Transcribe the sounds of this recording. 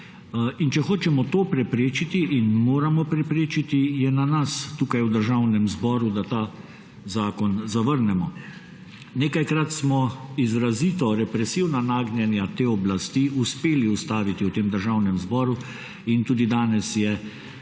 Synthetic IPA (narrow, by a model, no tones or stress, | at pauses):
int͡ʃɛxoːt͡ʃɛmɔt̪oːpɾɛpɾeːt͡ʃit̪iʔinmoːɾamɔpɾɛpɾeːt͡ʃit̪ijɛnanast̪uːkajwd̪əɾʒawnɛmzbɔːɾud̪at̪aː | zaːkɔnzaʋəɾnɛmɔ | neːkajkɾat̪smɔizɾaziːt̪ɔɾɛpɾɛsiwnanaːɡnjɛnjat̪eːɔblast̪iuspeːliust̪aːʋit̪iwt̪eːmd̪əɾʒawnɛmzbɔːɾu | int̪uːd̪id̪aːnɛsjɛ